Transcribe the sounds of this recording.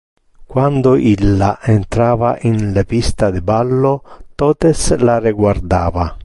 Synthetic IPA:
kwand̪oʔilːaʔent̪ɾavaʔinlepist̪ad̪ebalːot̪ɔt̪eslareɡward̪aːva

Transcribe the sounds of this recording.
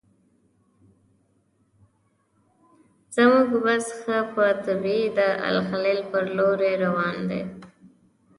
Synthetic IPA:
z̥əmuɡbasxəpət̪abid̪əa̰lxalelpəɾloɾeɾawɑnd̪ḛ

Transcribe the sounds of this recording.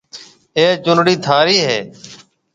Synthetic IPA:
eːt͡ʃʊnɽiːt̪ʰaːɾiːɦeː

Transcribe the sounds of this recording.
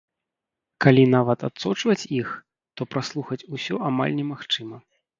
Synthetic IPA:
kalʲin̪avɐt̪a̰t̪sɔt͡ʂvɐt͡sʲix | t̪ɔpɾaslˠuxɐt͡sʲusʲɔʔama̰lʲnʲɛmaxt͡ʂɨmɐ

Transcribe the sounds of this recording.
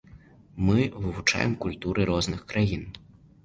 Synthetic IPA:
mɨvɨvut͡ʂa̰jɛ̰mkulʲt̪uɾʔɨɾɔznɨxkɾajin

